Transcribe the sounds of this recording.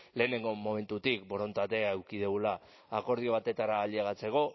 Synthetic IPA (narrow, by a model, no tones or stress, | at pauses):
le̞ːne̞ŋɡo̞mo̞me̞nt̪ut̪ikbo̞ɾo̞nt̪at̪e̞aewkið̞uɣulaː | ko̞ɾð̞io̞β̞at̪e̞t̪aɾaːleɣat͡se̞ko̞